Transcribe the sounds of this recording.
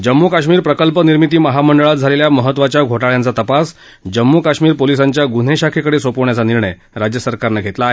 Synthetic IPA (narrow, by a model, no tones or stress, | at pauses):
d͡ʑəmːukaɕmiːɾpɾəkəlpəniɾmit̪iːməɦaməɳɖəɭat̪̚d͡zʱaleljaməɦət̪ːʋat͡ɕjaɡʱoʈaɭjãnt͡sat̪əpas | d͡ʑəmːukaɕmiːɾpolisaɲt͡ɕjaɡun̤eɕakʰekəɽesʋəpoʋɳjat͡saniɾɳəj | ɾad͡ʑjəsəɾkaɾnəɡʱet̪laaɦe